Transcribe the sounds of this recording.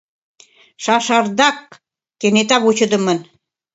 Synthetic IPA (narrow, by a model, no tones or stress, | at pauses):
ʃɑʃɑrd̪ɑkː | enet̪ɑβut͡ɕə̆d̪ə̆mə̆n